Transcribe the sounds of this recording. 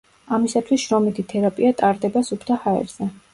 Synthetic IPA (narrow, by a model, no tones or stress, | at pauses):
amisat̪ʰwisʃɾɔmit̪ʰit̪ʰɛɾapʼiat̪ʼaɾd̪ɛbasupʰt̪ʰahaɛ̰ɾz̥ɛ